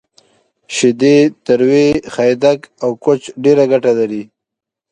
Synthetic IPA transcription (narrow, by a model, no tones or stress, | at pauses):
ʃɪd̪et̪əɾwexajd̪akawkot͡ʃɖeɾaɡaʈalaɾi